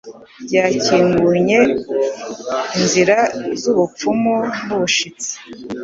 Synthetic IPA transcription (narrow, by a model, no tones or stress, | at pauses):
bɟaːciːŋɡuɲe̞ | inziɾazuβup͡fumonuβuʃit͡si̥